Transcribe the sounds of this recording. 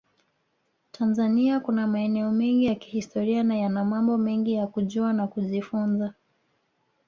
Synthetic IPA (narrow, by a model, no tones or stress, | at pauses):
tʰanzaniakunamaɛnɛɔmɛŋɡijaki̥histɔɾianajanamambɔmɛŋɡijakuʄuanakuʄifunza